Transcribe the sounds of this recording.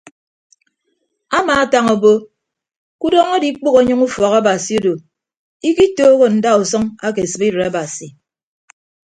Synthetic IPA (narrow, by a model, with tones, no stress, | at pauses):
a˦maː˨a˦ta˦ŋo˨bo˦ | ku˦dɔː˦ŋo˦di˦k͡pu˦ɣo˨˦ɲɨ˦ŋu˦fɔ˨ka˦ba˨si˨o˦do˨ | i˦ki˦toː˦ɣo˨n̩˨da˦o˨sʌ˦ŋa˦ke˨sɨ˦bi˦ɾe˨a˦ba˨si˨